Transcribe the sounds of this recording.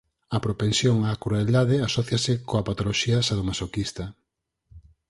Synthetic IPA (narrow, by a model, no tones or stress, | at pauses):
ɐpɾopensjoŋakɾuald̪aðeasɔθjɐsɪkoapat̪oloʃiasaðomasokist̪ɐ